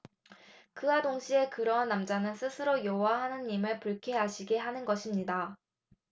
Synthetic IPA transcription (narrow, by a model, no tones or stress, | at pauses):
kɯadoŋɕʰie̞kɯɾʌnːamd͡ʑanɯnsʰɯsʰɯɾojowaɦanɯnimɯɭpuɭkʰeɦaɕʰiɡe̞ɦanɯnɡʌɕʰimɲida